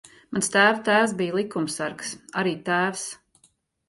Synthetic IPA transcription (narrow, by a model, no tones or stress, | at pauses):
manst̪æːvt̪æːwsbijlˠikumsaɾksaɾiːt̪æːws